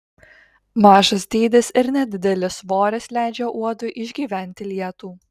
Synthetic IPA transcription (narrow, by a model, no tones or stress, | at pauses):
mɑːʒɐsd̪ʲeːd̪ʲɪsɪɾnʲɛd̪ʲɪd̪ʲɛlʲɪsʋoːɾʲɛslʲæˑɪd͡ʒʲɛʔuɔd̪ʊʔɪʒʲɡʲiːʋʲæˑnʲt̪ʲɪlʲiɛt̪uː